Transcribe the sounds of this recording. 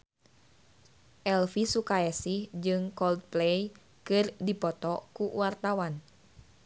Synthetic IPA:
ʔɛlfisukaɛsihd͡ʒɨŋkɔld̪̚plɛj | kɨrdipɔt̪ɔkuwart̪awan

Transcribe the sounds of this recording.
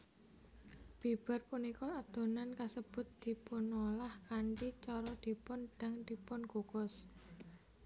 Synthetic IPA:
b̥i̤b̥ə̤rpunikɔad̪̥o̤nankasəb̥ʊ̤t̪̚d̪̥i̤pʊnolahkaɳʈit͡ʃɔɾɔd̪̥i̤pʊnɖ̥a̤ŋd̪̥i̤pʊnkukʊs

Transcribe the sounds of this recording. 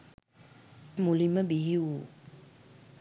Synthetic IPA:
muliməbiɦiu

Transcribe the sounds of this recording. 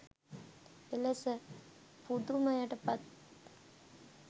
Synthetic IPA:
elesə | pud̪umajaʈəpat̪̚

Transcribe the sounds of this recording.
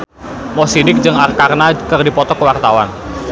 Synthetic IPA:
mɔsidɪk̚d͡ʒɨŋarkarnakɨrdipɔt̪ɔkəwart̪awan

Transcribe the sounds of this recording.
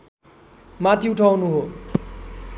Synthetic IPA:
mat̪ʰiuʈʰaw̃nuɦo

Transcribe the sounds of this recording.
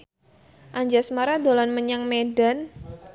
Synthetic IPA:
ʔaɲd͡ʒasmaɾad̪olanməɲaŋmedan

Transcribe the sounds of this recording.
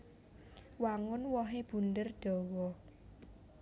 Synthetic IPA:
waŋʊnwɔɦeb̥ṳnd̪ərɖ̥ɔ̤wɔ

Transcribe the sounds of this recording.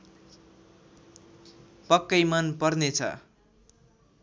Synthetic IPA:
pʌkːʌjmʌnpʌrnet͡sʰʌ̰

